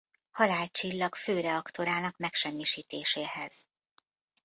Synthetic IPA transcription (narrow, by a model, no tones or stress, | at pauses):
hɒlaːlt͡ʃilːɒɡføːɾɛɒkt̪o̞ɾaːnɒkmɛkʃɛmːiʃiːt̪eːʃeːhɛz̥